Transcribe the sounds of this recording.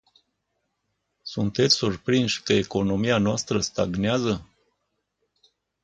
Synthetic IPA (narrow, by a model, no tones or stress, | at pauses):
sunt̪e̞t̪sʲsurpɾinʃʲkəeko̞no̞mianoast̪ɾəst̪aɡneazə